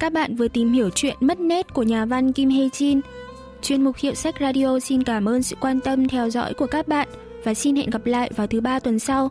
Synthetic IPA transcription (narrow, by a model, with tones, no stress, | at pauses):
kaː˦˥k̚ɓa̰ː˧˨nvɨ˨˩ət̪i˨˩mɦi˧˩əwt͡ɕwḭ˧˨ənmə˦˥t̚ne˦˥t̚ku˧˩əɲaː˨˩va˧nki˧mɦe˧t͡ɕi˧n | t͡ɕwi˧˩ənmʊ˨˩k͡p̚hḭ˧˨əwsa˦˥jk̟̚zaː˧ɗi˧o˧si˧nkaː˧˩mʔəː˧nsɨ̰˧˨kwaː˧nt̪ə˧mt̪ʰɛ˧wzɔ̰˧˥jku˧˩əkaː˦˥k̚ɓa̰ː˧˨n | vaː˨˩si˧nhḛ˧˨nɣa˨˩p̚la̰ː˧˨jvaː˨˩wt̪ʰɨ˨˦ɓaː˧t̪wə˨˩nsa˧w